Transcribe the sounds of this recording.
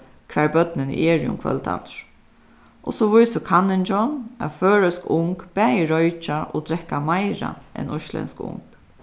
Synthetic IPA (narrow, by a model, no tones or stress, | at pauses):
kʰvɛːɹbœt̪nɪnʔɛːɹjʊ̰mkʰvœ̰lt̪a̰t̪ɹ̥ | ʔɔsɔʋʊjsəkʰanːɪnt͡ʃɔna̰føːɹœskʊŋkb̥ɛːjɪɹɔʏt͡ʃaɔ̰d̪ɾɛhkːamaɪɹa̰ʔɛ̰nʔɔʃlɛ̰nskʊ̰ŋk